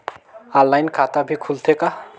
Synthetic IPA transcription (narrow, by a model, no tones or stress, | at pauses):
alːajnkʰat̪abʱikʰult̪ʰeka